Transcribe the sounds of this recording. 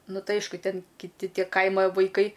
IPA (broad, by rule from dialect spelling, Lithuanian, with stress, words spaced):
ˈnʊ ˈtɐɪ ˈɐɪʃkʊ ˈtʲɛn kʲɪˈtʲɪ ˈtʲiɛ ˈkɐɪmɐ ʋɐɪˈkɐɪ